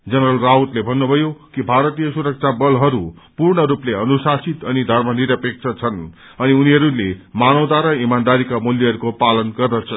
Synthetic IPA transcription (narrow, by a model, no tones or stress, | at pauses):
d͡zʌnɾʌlraut̪lebʱʌnːubʱʌjokibʱaɾʌt̪ijʌsuɾʌk̚t͡sʰabʌlɦʌɾupurɳʌɾupleʌnusasit̪ʌnid̪ʱʌrmʌniɾʌpek̚t͡sʰʌt͡sʰʌn | ʌniuniɦʌɾulemanʌwt̪aɾʌimand̪aɾikamuljʌɦʌɾukopalʌnɡʌrd̪ʌt͡sʰʌ